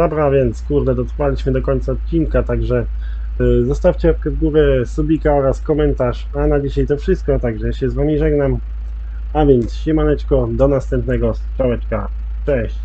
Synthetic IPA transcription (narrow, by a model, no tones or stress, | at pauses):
d̪ɔbɾavʲjɛnt̪skuɾd̪ɛd̪ɔt̪ɾfalʲiɕmɘd̪ɔkɔɲt̪saɔt̪̚t͡ɕiŋkat̪aɡʐɛ | zɔst̪aft͡ɕɛɔp̚kɛvɡuɾɛsubʲikaɔɾaskɔmɛnt̪aʂ | anabʲiɕajt̪ɔfʂɘst̪̚kɔt̪aɡʐɛjaɕɛzvamʲiʐɛɡnam | avʲjɛnt̪sɕimanɛt͡ʂkɔd̪ɔnast̪ɛmpnɛɡɔst͡ʂawɛt͡ʂka | t͡ʂɛɕt͡ɕ